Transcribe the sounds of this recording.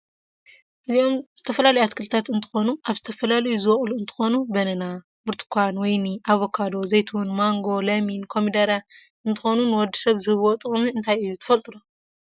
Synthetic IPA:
ɨzio̞mz̥ɨt̪ʰɐfɐlalɐjuat̪kʰɨlɨt̪ʰat̪ɨnt̪ʰɨ̥xo̞nuʔaβzɨt̪ʰɐfɐlalɐjuzɨwɐχʼluɨnt̪ʰɨ̥xo̞nubɐnɐna | bɨɾt̪ʰɨ̥kʰʷanwɔjniʔaβokʰad̪o̞zɐjt̪ʰwunmaŋɡo̞lɐminkʰo̞mid̪ɐɾa | ʔɨnt̪ʰɨxo̞nunɨwɔd̪ːi̥sɐβzɨhɨβot̪ʼɨχʼmiɨnt̪ʰajɨjːut̪ʰɨ̥fɐlt̪ʼulu

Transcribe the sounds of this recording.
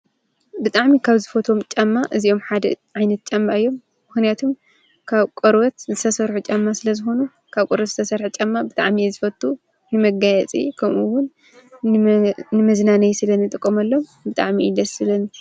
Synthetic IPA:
bɨt̪ʼaʕmikʰaβzɨfɐt̪ʰo̞mt͡ʃʼɐmːaʔɨzio̞mħad̪ɐ̰ʕajnɐt̪̚t͡ʃʼɐmːaɨjːo̞mː | ɨxnijat̪ʰum | kʰaβkʼɔɾwɐt̪zɨt̪ʰɐsɐɾħut͡ʃʼɐmːasɨlɐzɨxo̞nu | kʰaβkʼoɾwɐt̪z̥ɨt̪ʰɐsɐɾħɨt͡ʃʼɐmːabɨt̪ʼa̰ʕmizɨfɐt̪ʼːu | jɨmɐɡajɛt͡sʼḭkʰɐmuwːʊn | ɨmɐznanɐjsɨlɐnɨt̪ʼɨkʼːomɐlːombɨt̪ʼa̰ʕmiɨd̪ɐsɨlɐni

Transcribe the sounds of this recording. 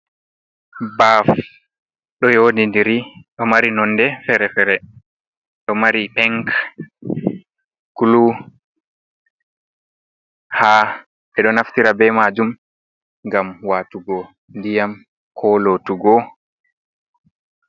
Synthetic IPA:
baf | ɗɔjodindiɾiɗɔmaɾinɔnːdɛfɛɾɛfɛɾɛ | ɗɔmaɾipɛŋk | kulu | ha | ɓɛɗɔnaftiɾabɛmad͡ʒum | ŋɡamwaːtuɡɔ | ndijam | kʰɔlotuɡɔ

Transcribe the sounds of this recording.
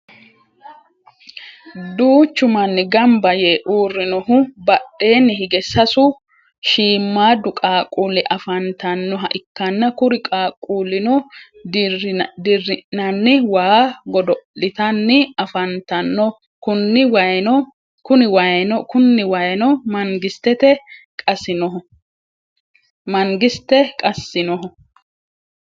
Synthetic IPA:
d̪uːt͡ʃːʊmɐnːɪɡɐmbɐjeːʔuːrːɪnɔhʊbɐɗːe̞ːnːɪhɪɡɛsɐsʊ | ʃiːmːaːd̪ːʊkʼaːkʼːuːlɪʔɐfɐnt̪ɐnːɔɦɐʔɪkːɐnːɐkʊɾɪkʼaːkʼːuːlɪnɔ | d̪ɪrːɪnɐnːɪwaːɡɔd̪ɔlɪt̪ɐnːɪɐfɐnt̪ɐnːɔ | kʊnːɪwɐjnɔ | kʊnɪwɐjnɔkʊnːɪwɐjnɔmɐŋɡɪst̪ːɛt̪ɛ | kʼɐsɪnɔɦɔ | mɐŋɡɪst̪ːɛkʼɐsːɪnɔɦɔ

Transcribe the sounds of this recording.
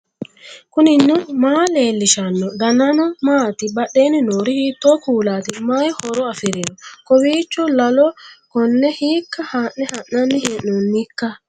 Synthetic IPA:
kʊnɪnːʊmaːle̞ːlːɪʃɐnːɔd̪ɐnɐnɔmaːt̪ɪbɐɗːeːnɪnoːɾɪhiːt̪ːɔkuːlaːt̪ɪmajhɔɾɔɐfɪɾɛnɔkɔwiːt͡ʃːɔlɐlɔkɔnːɛhiːkːɐhaʔnɛhɐnːɐnːɪheːʔːɔnːɪkːɐ

